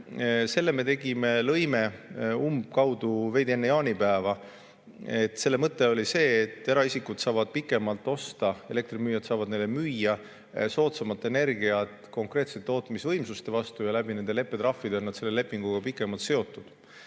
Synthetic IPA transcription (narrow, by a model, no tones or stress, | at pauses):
se̞lːeme̞t̪e̞ɡ̥imelɤjme̞umb̚kɑwd̪̥uve̞d̪ienːejɑːnipæevɑ | e̞t̪ːˑse̞lːe̞mɤt̪ːe̞o̞lise̞ːt̪ːˑeɾɑisikːud̪̥sɑːvɑd̪̥̚pikːˑe̞mɑlt̪ːˑo̞st̪ɑe̞le̞kt̪rimyːjɑt̪sɑːvɑd̪ne̞jlːemyjːɑ | so̞ːt̪sɑmɑt̪ːˑe̞ne̞rɡiɑt̪ˑko̞ŋkɾe̞ːt̪se̞t̪ːo̞ːt̪ːˑmisvɤ̞jmsust̪e̞vɑst̪ujɑlæbine̞nd̪̥ele̞pːˑe̞t̪ɾɑfːid̪enːɑd̪̥se̞lːe̞le̞pːˑiŋɡ̥uɡ̥ɑpikːˑe̞mɑlt̪se̞o̞t̪ːˑud̪̥